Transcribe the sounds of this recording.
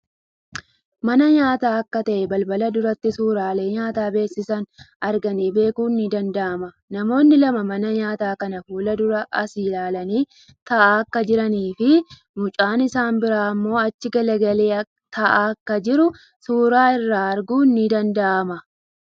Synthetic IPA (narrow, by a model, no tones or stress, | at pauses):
mɐnɐɲaːt̪aːɐkːɐt̪ɐʔɛbɐlbɐlɐd̪ʊɾɐt̪ːɪsuːɾaːle̞ːɲaːt̪aːbe̞ːsːɪsɐnʔɐɾɡɐniːbe̞ːkuːnːid̪ɐnd̪ɐʔɐmɐ | nɐmo̞ːnːɪlɐmɐmɐnɐɲaːt̪aːkɐnɐfuːlɐd̪ʊɾɐʔɐsiːlaːlɐniː | t̪ɐʔaːɐkːɐd͡ʒɪɾɐniːfɪ | mʊt͡ʃʼaːnɪsaːnbɪɾaːɐmːo̞ːɐt͡ʃːɪɡɐlɐɡɐleːɐ | t̪ʰɐʔaːkːɐd͡ʒɪɾʊ | suːɾaːɪrːaːɐɾɡuːnːid̪ɐnd̪ɐʔɐmɐ